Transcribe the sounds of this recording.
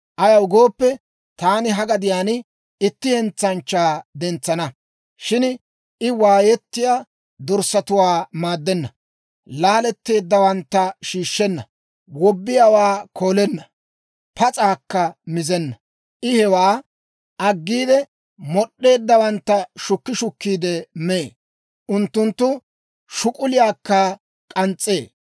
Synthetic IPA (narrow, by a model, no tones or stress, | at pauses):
ʔɐjɐwɡoːpːɛ | t̪aːnɪɦɐɡɐd̪ɪjaːn | ɪt̪ːɪhɛnt͡sːɐnt͡ʃːaːd̪ɛnt͡sːɐnɐ | ʃɪn | ɪwaːjɛt̪ːɪja | d̪ɔɾsɐt̪ʊwaːmaːd̪ːɛnːɐ | laːlɛt̪ːe̞ːd̪ːɐwɐnt̪ːɐʃiːʃːɛnːɐ | wɔbːɪjawaːko̞ːlɛnːɐ | pɐt͡sʼaːkːɐmɪzɛnːɐ | ʔɪhɛwaː | ʔɐɡːiːd̪ɛ | mɔɗːe̞ːd̪ːɐwɐnt̪ːɐʃʊkːɪʃʊkːiːd̪ɛme | ʔʊnt̪ːʊnt̪ːʊ | ʃʊkʼʊlɪjaːkːɐ | kʼɐnt͡sʼːeː